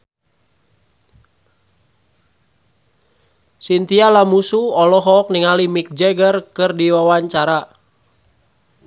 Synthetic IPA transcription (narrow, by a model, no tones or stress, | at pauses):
sint̪ialamusuɔlɔɦɔk̚niŋalimik̚d͡ʒɛɡərkɨrdiwawaɲt͡ʃaɾa